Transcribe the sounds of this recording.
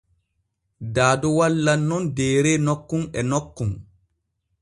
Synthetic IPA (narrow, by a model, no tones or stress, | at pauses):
daːdɔwalːanːɔndɛːɾɛnɔkːunɛnɔkːun